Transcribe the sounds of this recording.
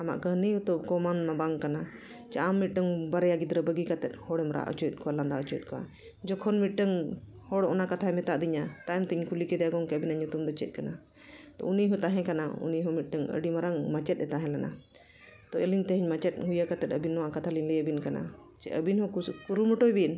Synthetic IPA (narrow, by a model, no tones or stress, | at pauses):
ama̰ʔɡəɦnijut̪ɔb̚kɔmanmãbaŋkana | t͡ʃaamːit̪̚ˀɖəŋbaɾɛjaɡid̪ɾəbəɡikat̪ɛt̪̚ˀhɔɽɛmɾa̰ʔɔ̰t͡ʃuɛt̪̚kɔwaland̪aɔt͡ʃuɛt̪̚kɔwa̰ | d͡ʒɔkʰɔnmit̪̚ˀɖəŋ | hɔɽɔʔɔnakat̪ʰamɛt̪aʔd̪iɲat̪ajmt̪iɲkʰulikɛd̪ɛaɡɔŋkɛəbinaɲut̪umd̪ɔt͡ʃɛ̰t̪̚kana | t̪ɔ̰uniɦɔt̪aɦɛ̃kanaṵniɦɔmit̪̚ˀɖəŋə̰ɖimaɾaŋmat͡ʃɛt̪̚ɛt̪aɦɛ̃lana̰ | t̪ɔɛliɲt̪ɛɦɛɲmat͡ʃɛt̪̚ɦujakat̪ɛt̪̚əbinːɔwaʔkat̪ʰaliɲləjəbinkana̰t͡ʃɛ̰ə̰binɦɔ̃kuɾumɔʈɔjbin